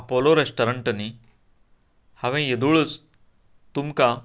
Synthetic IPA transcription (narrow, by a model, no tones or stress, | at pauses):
apoloɾesʈɐɾəɳʈɐni | haʋẽjed̪uɭut͡s | t̪umka